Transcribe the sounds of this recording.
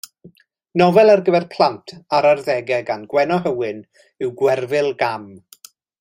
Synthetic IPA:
nɔvɛlˠarɡəvɛrpʰl̥ˠantʰaɾarðɛɡɛɡanɡwɛnɔɦəwɪn | ɪwɡwɛrvɪlˠɡam

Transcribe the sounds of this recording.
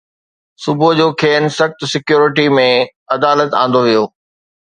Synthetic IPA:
sʊbʱod͡ʑoːkʰeːnsɐxt̪sɪkjuːɾɪʈimẽ | ɐd̪aːlət̪ã̰ːn̆d̪oʋijoː

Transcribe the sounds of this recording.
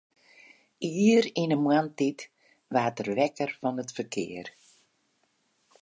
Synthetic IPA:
iːɾinəmwantit | ʋaːtərʋɛkərfɔnətfərkʰɪ̰ər

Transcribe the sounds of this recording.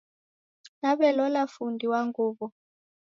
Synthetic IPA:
naɓɛlɔlafundʱiwaŋɡuːɓɔ

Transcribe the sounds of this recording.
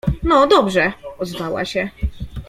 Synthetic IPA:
nɔd̪ɔbʐɛɔzvawa̰ɕɛ

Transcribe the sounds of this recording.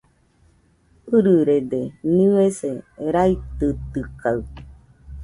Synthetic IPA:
ɨɾɨɾed̪enieseɾait̪ɨt̪ɨkaɯ

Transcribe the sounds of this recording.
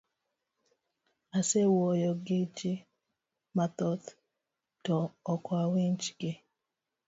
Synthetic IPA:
asewɔjɔɡɪt͡ʃɪ | mat̪ɔt̪ | tɔːkwawint͡ʃɡɪ

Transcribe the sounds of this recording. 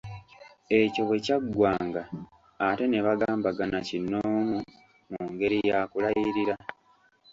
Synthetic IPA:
e̞co̞βwe̞caɡwaːŋɡaː | te̞ne̞βaɡaːmbaɡanacinːo̞ːmu | muŋɡe̞ɾijakulajiɾiɾa

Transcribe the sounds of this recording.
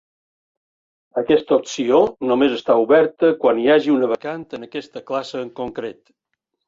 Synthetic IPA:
əkɛst̪əopsionomezəst̪auβɛɾt̪əkwaniaʒiunəβəkant̪ənəkɛst̪əklasəːŋkoŋkɾet̪

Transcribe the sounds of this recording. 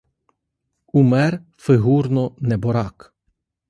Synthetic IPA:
umɛɾ | fɪɦuːɾnɔnɛbɔɾak

